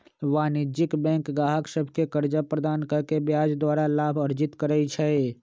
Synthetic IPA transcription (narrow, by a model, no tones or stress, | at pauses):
ʋaːnɪd͡ʒɪkbɛ̃ːŋkɡaːɦəksəbʱkekəɾd͡ʒapɾəd̪aːnkəɾkebjaːd͡ʒd̪waːɾalaːbʱəɾd͡ʒɪt̪kəɾəit͡ʃʰɛ